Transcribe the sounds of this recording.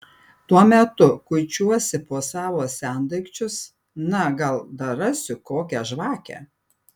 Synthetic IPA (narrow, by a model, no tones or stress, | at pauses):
t̪uɔmʲɛt̪ʊkʊɪt͡ʃʲuɔsʲɪpoːsɑːʋoːsʲæˑnd̪ɐɪkt͡ʃʲʊs | nɐɡɐlˠd̪ɐɾɐsʲʊkoːkʲɛʒʋɑːkʲɛ̰